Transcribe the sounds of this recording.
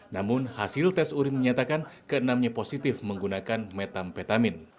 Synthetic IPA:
namʊnhasɪlt̪ɛsuɾit̪məɲat̪akankəənamɲaposit̪ɪfməŋɡunakanmɛt̪amfɛt̪amɪn

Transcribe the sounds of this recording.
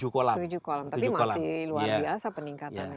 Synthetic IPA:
d͡ʒukolatud͡ʒukolamt̪apiumaslaɪluabiasapəniŋkatana

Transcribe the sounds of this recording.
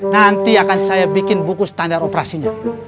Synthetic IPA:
nant̪iakansajabikɪnbukust̪andaɾopeɾasiɲa

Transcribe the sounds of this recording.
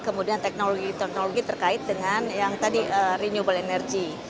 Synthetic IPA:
kəmudiant̪ɛk̚noloɡit̪ɛk̚noloɡit̪ərkaɪt̪̚dəŋanjaŋt̪adiʔəriɲubəlenɛrɡi

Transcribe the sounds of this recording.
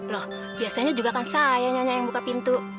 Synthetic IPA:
lɔh | biasaɲad͡ʒuɡakansajaɲɔɲajaŋbukapint̪u

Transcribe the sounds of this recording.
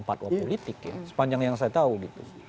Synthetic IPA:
mpat̪̚wappolit̪ɪkja̰sə̥paɲd͡ʒaŋjaŋs̬ajat̪auɡit̪ṵ

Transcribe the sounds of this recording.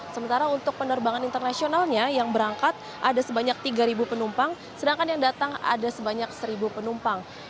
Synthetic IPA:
səmənt̪aɾaunt̪ʊk̚pənərbaŋanint̪ərnasionalɲajaŋbəɾaŋkat̪̚ | ʔadasəbaɲak̚t̪iɡaɾibupənumpaŋ | sədaŋkanjaŋdat̪aŋa̰dasəbaɲak̚səɾibupənumpaŋ

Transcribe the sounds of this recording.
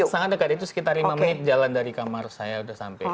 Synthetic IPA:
saŋat̪̚dəkat̪it̪̬usə̥kit̪arimaməɪt̪̚d͡ʒalandaɾikamarsajaudahsa̰mpɛ

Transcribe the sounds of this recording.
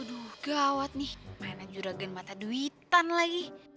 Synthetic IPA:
duhɡawat̪̚nihmanad͡ʒuɾaɡanmat̪aduwit̪anlaɡi

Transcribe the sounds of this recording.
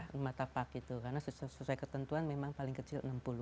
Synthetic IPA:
mat̪apakit̪ukarnasussusuajkət̪ənt̪uanmemaŋpalɪŋkət͡ʃɪlə̰nəmpulu

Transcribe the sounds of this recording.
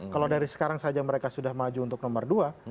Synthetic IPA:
kaladaɾisə̥kaɾaŋsad͡ʒaməɾekasudahmad͡ʒuːnt̪ʊk̚nɔmərdua

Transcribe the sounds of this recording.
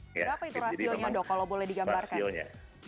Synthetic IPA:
bəɾapait̪uɾasioɲadɔkalowbolɛhdiɡambarkaa̰

